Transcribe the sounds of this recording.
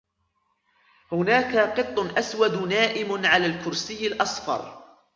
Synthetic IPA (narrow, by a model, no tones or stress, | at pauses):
hʊnaːkaqɨt̪ˤːʊʔaswad̪naːʔɪmʕalaːlkʊɾsɪjːɪlʔɑsˤfɑ̰ɾˤ